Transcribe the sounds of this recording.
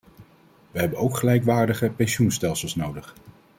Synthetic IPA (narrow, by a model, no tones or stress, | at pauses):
ʋəɦɛbənowkχəlɛjkʋaːɹdəχəpɛnʃunstɛlˠsəlˠsnowdəχ